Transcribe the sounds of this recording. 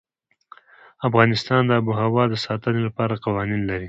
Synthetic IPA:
afɣɑnɪst̪ɑnd̪əabuɦawɑd̪əsɑt̪ənelapɑɾaqawɑninlaɾi

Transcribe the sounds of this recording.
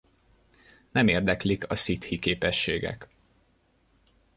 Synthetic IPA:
nɛmeːrd̪ɛklikɒsit̪hikeːpɛʃːeːɡɛ̰k

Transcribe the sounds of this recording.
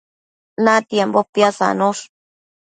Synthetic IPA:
nãt̪jembopjasa̰nõʂ

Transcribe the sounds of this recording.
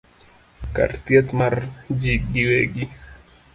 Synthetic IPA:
ka̰rt̪jet̪mard͡ʒiɡiweɡi

